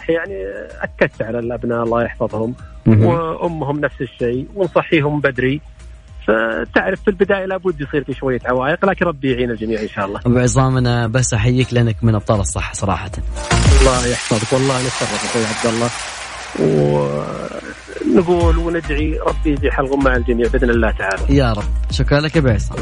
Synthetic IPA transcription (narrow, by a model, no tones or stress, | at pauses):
ɑħjaʕniʔa̰kːad̪t̪ʕalalʔabnaʔɑlˤːɑːjɑħfɑðˤhʊm | ʔʊmːɦʊmnafsɪʃːeːjwɪnsˤɑħːiːɦʊmbad̪ɾi | fat̪ɪʕɾɪfːilbɪd̪aːjalaːbʊd̪ːjsˤiːɾkiʃwajːaʕawaːjɪqlaːkɪnɾˤɑbːijʕiːnɪld͡ʒamiːʕɪnʃaːʔɑlˤːɑːʔabʕɨzˤɑːmʔanabasːʔaħajːiːklɪʔanːakmɪnʔɑb̚t̪ˤɑːlɑsˤːɑ̰ħːɑ̥sˤɑɾˤɑ̰ːħɑt̪anɑlˤːɑːjaħfɑðɪkwɑlˤːɑːhnɪt̪sɑrˤːɑfɪlxwajːʕab̚d̪alˤːɑː | w | nɡuːlwnɪd̪ʕiɾˤɑbːijbiːħalɣʊmːaʕld͡ʒamiːʕbɪd̪nɪlːaːt̪aʕaːlajaːɾˤɑbːʃʊkɾˤɑlakabɪʕsˤɑ̰ːm